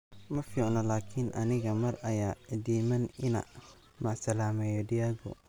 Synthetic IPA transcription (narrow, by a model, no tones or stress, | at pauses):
mɐfiːʕnɐlaːkʰɪnʔɐ̰nɪɣɐmɐrɐjaːd̪iːmɐnɪnɐ̰ | mɐʕsɐlaːmɛjɔɖɪaɡɔ̰